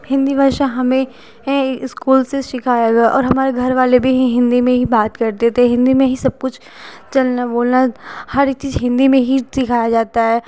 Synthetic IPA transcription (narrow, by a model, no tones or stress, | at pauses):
hɪ̃nd̪ibʱaːɾʃaɦɐmẽ | ɪskuːlseʃɪkʰaːjaɡɐaʔɔ̰ːɾɦɐmaːɾeɡʱɐɾʋaːlebʱiɦɦɪ̃nd̪imẽɦibaːt̪kɐɾt̪et̪ʰeɦɪ̃nd̪imẽɦisɐb̚kʊt͡ʃʰ | t͡ʃɐlnaboːlnahɐɾk̚t͡ʃiːzɦɪ̃nd̪imẽɦisɪkʰaːjad͡ʒaːt̪aɦɛː